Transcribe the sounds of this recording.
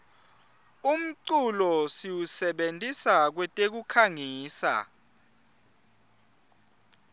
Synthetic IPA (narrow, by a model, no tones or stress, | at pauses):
um̩ǀulɔsiwusɛɓentʼisak̬wɛtʼek̬ukʰaŋiːsa̰